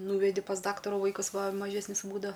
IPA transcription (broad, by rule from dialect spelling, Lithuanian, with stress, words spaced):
ˈnuːʋʲɛdʲɪ pɐs ˈdɑːktɐruː ˈʋɐɪkɐs ˈʋɐ mɐˈʒʲæːsʲnʲɪs ˈbuːdɐ